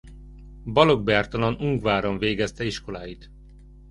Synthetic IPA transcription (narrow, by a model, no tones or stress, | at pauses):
bɒloɡ̚bjaːrt̪ɒlɒnuŋɡvaːɾoɱveːɡɛst̪ɛiʃko̞laːjit̪